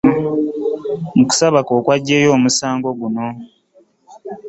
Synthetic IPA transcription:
muku̥saβakoːkwaɟːe̞ːjo̞ːmusaːŋɡo̞ɡuno̞

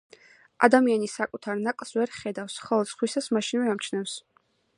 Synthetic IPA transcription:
ʔa̰d̪amianisakʼut̪ʰaɾnakʼlˠsvɛɾχɛd̪afsχɛlˠt̪sʰʼχwisasmaʃinvɛamt͡ʃʰnɛfs

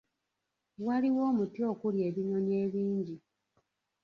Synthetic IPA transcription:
waliwoːmutio̞ːkulje̞ːβiɲo̞nje̞βiːɲɟi

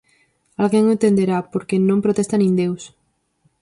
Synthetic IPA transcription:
alɣeŋẽnt̪end̪eɾapoɾkenõmpɾot̪est̪anĩnd̪ews

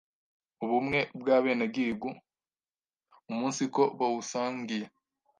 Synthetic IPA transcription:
uβumŋe̞bɡaːβe̞ːneb̚ɡiːɡu | umuːnsiko̞βawusaːŋɡije

